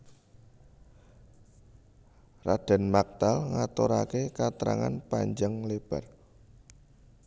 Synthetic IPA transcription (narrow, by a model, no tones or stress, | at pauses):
rad̥a̤nmak̚t̪alŋat̪oɾakekat̪ɾa̰ŋa̰npaɲd͡ʒaŋleb̥a̤r